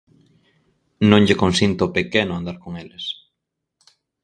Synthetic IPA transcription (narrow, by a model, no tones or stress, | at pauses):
nõŋʎekonsint̪opekenoãnd̪aɾkoŋeles